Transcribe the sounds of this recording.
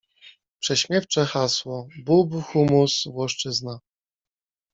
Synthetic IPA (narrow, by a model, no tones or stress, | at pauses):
pʂɛɕmʲjɛft͡ʂɛxaswɔbubxumusvwɔʂt͡ʂɘzna